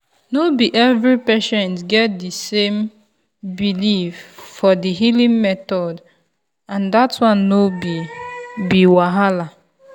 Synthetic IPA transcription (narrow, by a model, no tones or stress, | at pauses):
nobiʔɛvɹipeʃɛ̃ntɡɛt̚disẽm | biliffɔdiɦilĩŋmɛtɔd | ãndatwãnːobibiwaɦala